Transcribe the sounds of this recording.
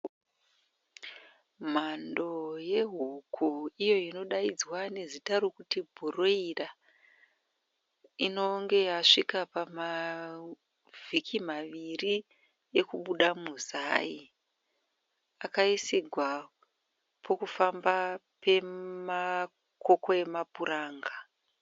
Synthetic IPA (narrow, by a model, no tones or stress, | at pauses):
m̤ando̞je̞ɦukʰuijo̞ino̞ɗaid͡zwane̞zitaɾokutibʱuro̞ira | ino̞ŋɡe̞jaʂikapama | vʱikʰimaʋiri | jekuɓuɗamuzai | akaisiɡʱwa | pʰo̞kufamba | pe̞ma | ko̞ko̞e̞mapuɾaːŋɡa